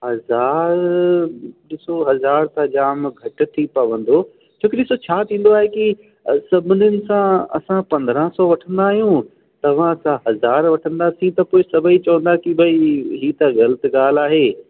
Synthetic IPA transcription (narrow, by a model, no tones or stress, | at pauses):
hɐzaːɾ | ɗɪsoɦɐzaːɾt̪ɐʄaːmɡʱɐʈ̆ʈ̪ʰipɐʋə̃n̆d̪o | t͡ɕʰoːkɪɗɪsot͡ɕʰaːt̪ʰĩːnd̪oaːɦeki | sɐbʱɪnjʊnɪ̆sãɐ̰sãpɐ̃nd̪ɾãsɔːʋɐʈʰə̃nd̪aːɦijũ | t̪ɐʋ̤ãɐsãɦɐzaːɾʋɐʈʰə̃nd̪aːsĩt̪ɐpoːɪsɐbʱəit͡ɕɐʋə̃nd̪akibʱɐiɦiːt̪ɐɣɐlət̪ɪɡaːl̤aːɦeː